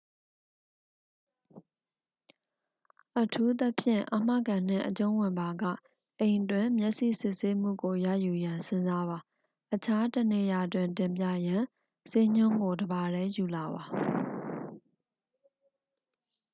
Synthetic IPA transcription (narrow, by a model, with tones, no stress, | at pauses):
ʔətʰu˦t̪ə˦pʰjɪ̰̃˦˨ʔa˨m̥ä̰˦˨ɡã˨n̥ɪ̰̃˦˨ʔət͡ɕõ˦ʊ̃wɪ̃˨mba˨ɡa̰˦˨ | ʔẽ˨ɪ̃twɪ̃˦˨mjɛ˦ʔsḭ˦˨sɪ˦ʔse˦m̥ṵ˦˨ɡo˨jä̰˦˨ju˨jã˨nsɪ̃˦nza˦βa˨ | ʔət͡ɕʰa˦tənḛ˦˨ja˨twɪ̃˨ntɪ̃˨mp̬jä̰˦˨jã˨ | se˦˨ɲ̥ʊ̃˦˨ŋɡo˨dəba˨ɾɛ˦ju˨la˨βa˨